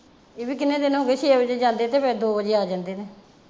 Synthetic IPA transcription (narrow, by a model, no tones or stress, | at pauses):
eːbiːkɪnẽːd̪ɪnɦoːɡeːt͡ʃʰeːbəd͡ʒeːd͡ʒãːnd̪eːt̪eːpɛːd̪oːbəd͡ʒeːaːd͡ʒãːnd̪eːt̪eː